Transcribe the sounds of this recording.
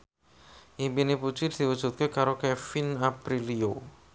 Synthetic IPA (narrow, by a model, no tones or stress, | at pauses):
ʔimpineput͡ʃid̪̥i̤wəd̥ʒ̥ṳt̪̚kekaɾokɛfinapɾilio